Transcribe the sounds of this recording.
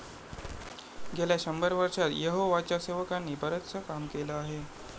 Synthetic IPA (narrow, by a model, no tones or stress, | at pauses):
ɡʱeljaɕəmbəɾʋəɾʂat̪jəɦoʋat͡ɕjaseʋəkanːibʱəɾət̪sʰəkamkelaaɦe